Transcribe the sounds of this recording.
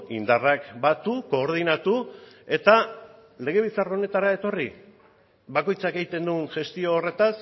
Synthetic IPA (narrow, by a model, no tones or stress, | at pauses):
ind̪arakbat̪uko̞ːɾð̞inat̪ue̞t̪a | le̞ɣ̞e̞βit͡saraone̞t̪aɾae̞t̪o̞ri | βako̞jt͡sake̞jt̪e̞nd̪unʝe̞st̪io̞ːre̞t̪as